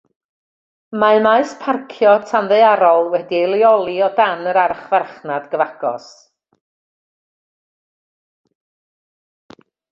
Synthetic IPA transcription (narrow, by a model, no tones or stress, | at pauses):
maɨmaɨspʰarkʰjɔtʰanðeɨaɾɔlˠwɛdielˠjɔlˠiɔdanəɾaɾχvarχnadɡəvaɡ̥ɔ̰s